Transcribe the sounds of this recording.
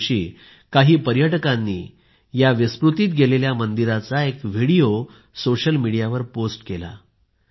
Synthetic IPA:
ɕḭː | kaɦiːpəɾjəʈkãnːiː | jaʋispɾut̪iːt̪ɡʱeleljamənd̪iɾat͡saekʋ̤iɽijo | soɕəlmiɽijaʋəɾposʈkela̰

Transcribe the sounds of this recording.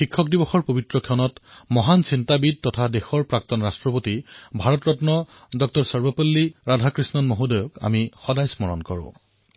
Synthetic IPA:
xikʰːɔkdibɔxɔɹpobitɹɔkʰɔnɔtmɔɦansintabid̚tɔtʰadexɔɹpɹak̚tɔnɹastɹɔpotibʱaɹɔtɹɔtnɔ | dɔk̚tɔɹsɔɹbɔpolːiɹadʱakɹisnɔnmoɦudɔjɔka̰mixɔdajsmɔɹɔ̰nkɔɹʊ̰̃

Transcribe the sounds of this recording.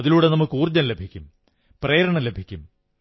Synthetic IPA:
ðiluːɽe̞nɐmukːuːrd͡ʑɐnle̞bʱikʲːum | preːɾɐɳɐmle̞bʱikʲːum

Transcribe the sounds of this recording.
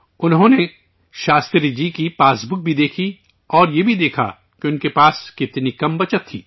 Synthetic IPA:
ʊnɦõne | ʃaːst̪ɾid͡ʒikipaːsbʊk̚bʱid̪eːkʰi | ɔːɾjebʱid̪eːkʰa̰ | keʊnkepaːskɪt̪nikɐmbɐt͡ʃət̪ʰːiː

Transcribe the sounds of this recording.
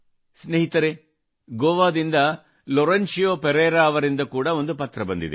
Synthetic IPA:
sneɦit̪ɐɾe | ɡoːʋaːd̪ind̪ɐ | lɔɾɐnt͡ʃijoːpeɾeːɾaːɐʋɐɾind̪ɐkuːɽɐond̪upɐt̪ɾɐbɐnd̪ḭd̪ḛ

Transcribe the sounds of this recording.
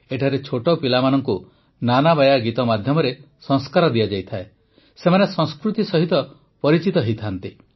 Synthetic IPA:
eʈʰaɾet͡ʃʰoʈɔpilamanɔŋku | nanabajaɡit̪ɔmad̪ʱjɔmɔɾe | sɔ̃ŋskaɾɔd̪ijad͡ʒajt̪ʰae | semanesɔ̃ŋ̃skɾut̪isɔɦit̪ɔ | pɔɾit͡ʃit̪ɔɦit̪ʰant̪i

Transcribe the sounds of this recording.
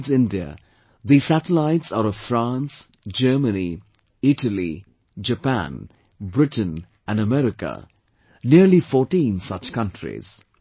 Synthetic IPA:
zɪ̃ndiə̰ | ðisætəlaɪʈsəɾɔv̥fɾãns | d͡ʒəːməni | ɪʈəlḭ | d͡ʒəpæ̰̃n | bɾɪʈə̃n | æ̃nəmɛɾɪkə̰ | niəɾlifɔːʈĩnsʌt͡ʃkʌ̃ntʰɹḭz̥

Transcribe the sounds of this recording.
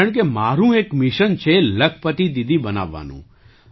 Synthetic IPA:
əɳ̃k̬emaɾũekmɪʃənt͡ʃʰeləkʰpət̪id̪id̪ʱibəna̰ʋːa̰nṵ̃

